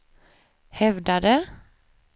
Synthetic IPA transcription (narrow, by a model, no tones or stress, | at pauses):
hɛvd̪ad̪ə